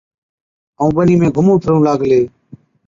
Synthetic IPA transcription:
əũːɓəniːmẽːɡʱʊmũːt̪ʰəɾũːlaːɡleː

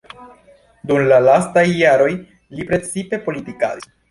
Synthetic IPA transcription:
dumlalastajːaɾo̞j | lipɾe̞t͡sipe̞po̞litika̰di

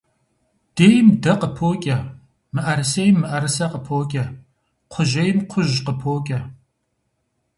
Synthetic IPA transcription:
d̥eːjmdɐqəpʰoːkʲʼɐ | mɨʔɐɾɨsejmːɨʔɐɾɨsɐqəpʰoːkʲʼɐ | qʷʰʊʒɐjɪmqʷʰʊʑqəpʰoːkʲʼɐ

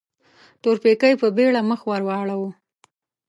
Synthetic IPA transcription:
t̪oɾpekəjpəbeɭaməxwaɾwɑɭawu

